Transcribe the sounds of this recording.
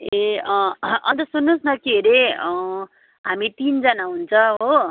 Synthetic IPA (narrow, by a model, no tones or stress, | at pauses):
eʌʌnt̪ʌsunːusnʌkiɾe | ɦamit̪ind͡zʌnaɦunt͡sʰʌɦo